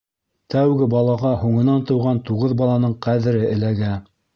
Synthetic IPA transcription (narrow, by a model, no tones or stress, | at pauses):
t̪æwɡɘbɑlˠɑʁɑhuɴɤ̆nɑnt̪ɤ̆wʁɑnt̪uʁɤðbɑlˠɑnɤɴqæðɘ̆ɾɘɘ̆læɡæ